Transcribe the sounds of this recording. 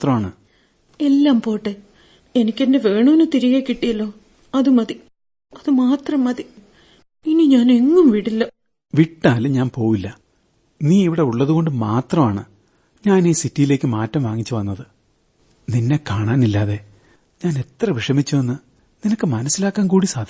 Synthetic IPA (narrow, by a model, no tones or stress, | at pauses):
t̪rɐmaːɳɨ | e̞lːaːmpo̞ːʈːe | enikʲːendeʋe̞ːɳuenːɨt̪iɾijeːkːiʈːijɐlːo̞ː | ɐðumɐði | ɐðɨmaːt̪rɐmːɐði | iniɲaːne̞ŋːumʋiɽilːɐ | ʋiʈːaːlɨɲaːnpo̞ːʋilːɐ | niːiʋiɽe̞uɭːɐðuɣo̞ɳɖɨmaːt̪rɐmaːɳɨ | ɲaːniːsitːijile̞ːkʲːɨmaːtːɐmʋaːŋːit͡ɕːɨʋɐnːɐðɨ | ninːe̞kaːɳaːnilːaːðe̞ | ɲaːne̞t̪rɐʋiʂɐmit͡ɕːuenːɨ | ninɐkːɨmɐnɐsːilaːkːaːnkuːɽisaːd̪ʱ